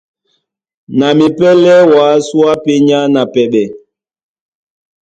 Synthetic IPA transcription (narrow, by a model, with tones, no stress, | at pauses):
na˨mi˨pɛ˦lɛ˦waː˨˦swa˦pe˦ɲa˦na˨pɛ˨ɓɛ˨